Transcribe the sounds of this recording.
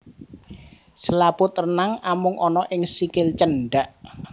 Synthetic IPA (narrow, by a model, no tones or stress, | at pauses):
səlapʊt̪rnaŋamʊŋʔɔnɔʔɪŋsikɪlt͡ʃənɖaʔ